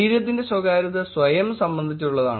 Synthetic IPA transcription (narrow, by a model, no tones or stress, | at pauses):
iːɾjɐt̪̬ːinde̞swɐɡaːɾɐðɐsʋɐjɐmsɐmbɐnd̪ʱit͡ɕːɐuɭːɐða̰ːɳ